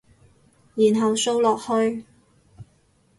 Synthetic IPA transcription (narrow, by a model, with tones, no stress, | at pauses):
jiː˨˩nɦɐ˨wso˥wlɔː˨k̚hɵ˧ɥ